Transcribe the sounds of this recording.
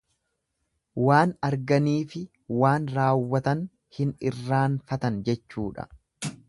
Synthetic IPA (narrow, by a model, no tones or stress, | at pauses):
waːnɐɾɡɐniːfɪ | waːnɾaːwːɐt̪ɐn | hɪnɪrːaːnfɐt̪ɐnd͡ʒɛt͡ʃːuːᶑɐ̰